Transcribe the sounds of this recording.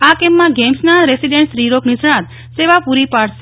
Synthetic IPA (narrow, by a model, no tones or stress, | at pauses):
akɛmːãɡɛmsnaɾesiɖẽɳʈsɾiɾoknɪsɽãt̪ | seʋapuɾipaɽs